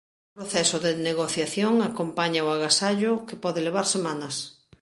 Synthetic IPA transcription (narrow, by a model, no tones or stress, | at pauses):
ʊpɾoθɛsoðeneɣoθjaθjoŋakompaɲaoaɣasaʎokepɔðeleβ̞aɾsemãnɐs